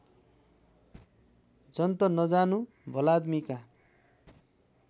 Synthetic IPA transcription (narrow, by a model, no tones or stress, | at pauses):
d͡zʌnt̪ʌnʌd͡zanu | bʱʌlad̪mika